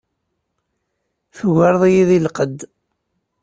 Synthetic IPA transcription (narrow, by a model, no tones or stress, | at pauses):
θuʝəɾðˤijiðilqəd̪